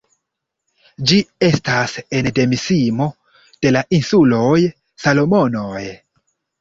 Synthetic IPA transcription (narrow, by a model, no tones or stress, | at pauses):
d͡ʒie̞stase̞nde̞misimo̞ | d̥e̞laʔinsulo̞j | salo̞mo̞noj